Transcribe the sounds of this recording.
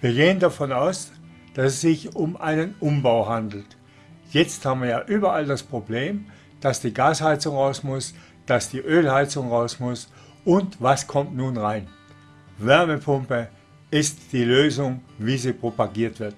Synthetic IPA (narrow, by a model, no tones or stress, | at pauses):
viːɐɡeːəndafɔnaʊs | d̥asɛsz̥ɪçʊmʔaɪnənʔʊmbaʊɦandl̩t | jɛt͡sthaːbmviɐjaːʔyːbɐaldaspʁ̥obleːm | d̥asd̥iːɡaːshaɪt͡sʊŋʁaʊsmʊs | d̥asd̥iːʔøːlhaɪt͡sʊŋʁaʊsmʊs | ʔʊntv̥askʰɔmtnuːnʁaɪn | vɛɐməpʰʊmpə | ɪstd̥iːløːzʊŋviːziːpʁ̥opaɡiːɐtv̥ɪɐt̚